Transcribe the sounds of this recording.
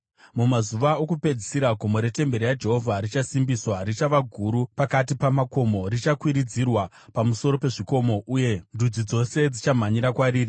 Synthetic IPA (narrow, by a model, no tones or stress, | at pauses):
mumazuʋaokupe̞d͡zisiɾaɡʱo̞mo̞ɾe̞te̞mbe̞ɾijad͡ʒe̞ɦo̞vʱarit͡ʃasimbiswarit͡ʃaʋaɡʱuɾupakat̬ipamako̞mo̞rit͡ʃakwiɾid͡zirwa | pamuso̞ɾo̞pe̞ʐiko̞mo̞ʔuje̞ndʱud͡zid͡zo̞se̞d͡zit͡ʃam̤aɲiɾakwaɾiːri